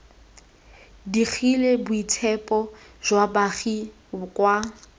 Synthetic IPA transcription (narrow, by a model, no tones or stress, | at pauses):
dik͡xʰilebʊitʰɛpʼɔʒwabaχi | ʊkʼwa